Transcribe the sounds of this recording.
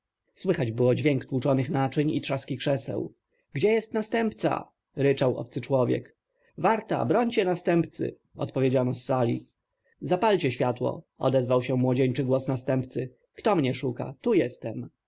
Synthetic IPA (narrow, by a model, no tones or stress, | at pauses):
swɘxad͡ʑbɘwɔd͡ʑvʲjɛŋkt̪wut͡ʂɔnɘxnat͡ʂɛɲḭt̪ʂaskʲikʂɛsɛ̰w | ɡd͡ʑɛjɛst̪nast̪ɛmpt̪sa̰ | ɾɘt͡ʂawʔɔ̰p̚t̪sɘt͡ʂwɔvʲjɛ̰k | vaɾt̪a̰bɾɔɲt͡ɕɛnast̪ɛmpt̪sɘ̰ | ɔ̰t̪pɔvʲjed͡ʑanɔsːalʲḭ | zapalʲt͡ɕɛɕfʲjat̪wɔ̰ɔ̰d̪ɛzvawɕɛmwɔd͡ʑeɲt͡ʂɘɡwɔsnast̪ɛmpt̪sɘ | kt̪ɔmɲɛʂuka̰t̪ujɛst̪ɛm